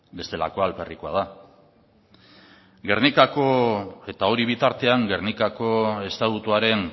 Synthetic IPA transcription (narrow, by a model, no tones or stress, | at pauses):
be̞st̪e̞la̰ko̞alperikoa̰ð̞a | ɡe̞rnikako̞e̞t̪ao̞ɾiβ̞it̪aɾt̪e̞aŋɡe̞rnikako̞e̞st̪at̪ut̪uaɾe̞ŋ